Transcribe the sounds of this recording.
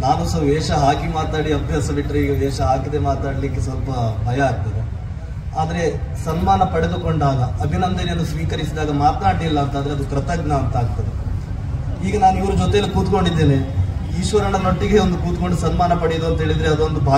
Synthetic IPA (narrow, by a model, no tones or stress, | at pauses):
naːnusɐʋeːʂɐɦaːkimaːt̪naːɽiɐbʱjaːsɐbiʈːɐɾeiːɡɐʋɛːʃɐɦaːkid̪e̞maːt̪naːɽlikːe̞sʋɐlpɐbʱɐjɐaːɡ̚t̪ɐd̪e | aːd̪ɐɾe̞ | sɐnmaːnɐpɐɽed̪uko̞ɳɖaːɡɐɐbʱinɐnd̪ɐnejɐnːusʋiːkɐɾisid̪aːɡɐmaːt̪naːɽlilːɐːnt̪ɐnd̪ɾeɐd̪ukɾɐt̪ɐɡnɐːnt̪aːɡ̚t̪ɐd̪e | iːɡɐnaːnuiʋɾud͡ʒɔt̪ɛɐlːikuːt̪ko̞ɳɖid̪ːeːneiːʃʋɐɾɐɳɐnoʈːiɡe̞ond̪ukuːt̪ko̞ɳɖusɐnmaːnɐpɐɽjd̪uɐnt̪ɐɦeːɭid̪ɾeɐd̪ond̪ubʱaː